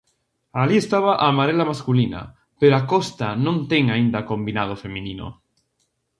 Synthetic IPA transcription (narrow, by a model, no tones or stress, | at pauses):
aliest̪aβ̞aʔaːmaɾelamaskulina̰ | peɾoakost̪anõnt̪eŋaĩnd̪akõmbinað̞ofemĩnino̰